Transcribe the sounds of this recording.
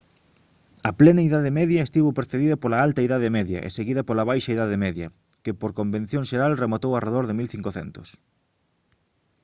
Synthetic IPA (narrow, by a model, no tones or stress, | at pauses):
ɐplenɐiðaðɪmɛðjɐest̪iβopeɾθeðiðɐpolɐalt̪ɐiðaðɪmɛðjɐ̰ʔḛseɣiðɐpolɐβ̞ajʃɐiðaðemɛðjɐ̰ | kɪpoɾkombẽn̟θjõŋʃeɾalremot̪owareðoɾðemilθiŋkoθɛ̰nt̪ʊs